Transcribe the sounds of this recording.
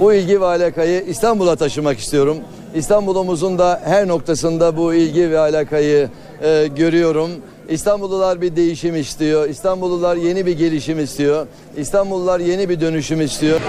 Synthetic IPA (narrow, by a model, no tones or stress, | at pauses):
builʲɟivɛalʲaːkajɯʔist̪ʰanbulˠat̪ʰaʃɯmaki̥st̪ijo̞ɾum | ist̪ʰanbulˠumuzund̪ahæɾno̞k̚t̪ʰasɯnd̪abuilʲɟivɛalʲaːkʰajɯː | ɟø̞ɾyjo̞ɾum | ist̪ʰanbulˠulˠaɾbid̪e̞jiʃimist̪ʰijo̞ist̪ʰanbulˠulˠaɾje̞nibiɾɟe̞lʲiʃimist̪ʰijo̞ | ist̪ʰanbulˠːaɾje̞nibid̪ø̞nyʃymist̪ʰijo̞